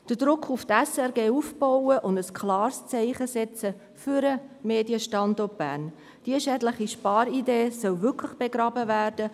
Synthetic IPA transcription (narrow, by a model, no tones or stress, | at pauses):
d̥əd̥ɾʊkʰːuft̪ɛsɛɾɡeːufb̥oʊwəʔʊndəskʰlɑːɾst͡sɛɪχəsɛt͡sə | fyɾəmeːdiəʃtɑndɔt̚b̥æ̰ːn | d̥iəʃɛːdləχiʃpɑːɾideːsœwvʏkʰləχb̥eɡɾɑːbəvæːrd̥ə